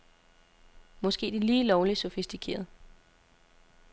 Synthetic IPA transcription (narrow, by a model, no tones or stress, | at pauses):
mɒ̽sɡ̥e̝̰ːd̥iliːlɒʊlisɔ̽fisd̥ikʰe̝̰ːɐð̞ˠ